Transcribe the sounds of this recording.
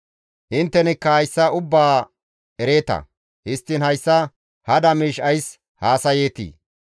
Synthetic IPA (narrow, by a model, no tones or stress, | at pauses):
ʔɪnt̪ːɛnɪkːɐhɐjsːɐʊbːaː | ɛɾe̞ːt̪ɐ̰ | hɪst̪ːɪnhɐjsːɐ | hɐd̪ɐmiːʃɐjs | haːsɐje̞ːt̪ḭː